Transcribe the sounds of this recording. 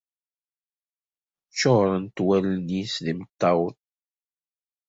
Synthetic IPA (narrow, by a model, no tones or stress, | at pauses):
t͡ʃːoʁɾˤənt̪wælnisðimət̪ːɑwn